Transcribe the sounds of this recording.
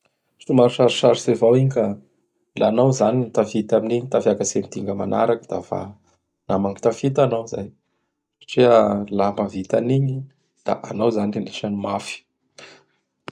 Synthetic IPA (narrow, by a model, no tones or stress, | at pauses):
umaɾuʃaɾiʃaɾsevawiɲka | lanawzanint̪afit̪aminiɲt̪afjakasemit̪iŋɡəma̰na̰ɾakəd̪̥ava̰ | namaŋi̥t̪afit̪anawza̰j | sḁʈ͡ʂialamavit̪aniɲi | d̪̥a̰ʔanawzanineʃanimafi̥